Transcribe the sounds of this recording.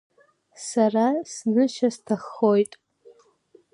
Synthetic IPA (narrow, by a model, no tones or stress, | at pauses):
sarasnɨʃastʰaχojtʼ